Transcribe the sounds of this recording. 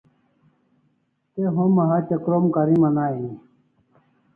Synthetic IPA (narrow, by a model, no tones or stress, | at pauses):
t̪eɦomɐɦat͡ɕəkɾomkaɾimanaːii